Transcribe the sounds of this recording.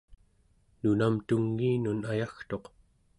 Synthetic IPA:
nunamt̪uŋːiːnunajaxt̪o̞q

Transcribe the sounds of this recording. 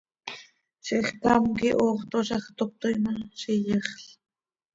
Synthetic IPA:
ʃiχkɑmkiʔoːχt̪oʃɑχt̪op̚t̪ojmɑʃijəχɬ

